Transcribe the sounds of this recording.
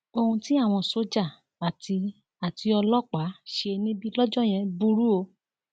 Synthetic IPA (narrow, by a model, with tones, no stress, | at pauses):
o˧hũ˧ti˦a˦˨w̃ɔ̃˧so˨˦d͡ʒa˦˨ | ba˨tʰi˧ | a˨ti˧ɔ˧lɔ˦k͡pa˨˦ʃe˧e˧nĩ˦bi˦lɔ˦d͡ʒɔ˦˨j̃ɛ̃˧bu˧˦ɾu˦o˧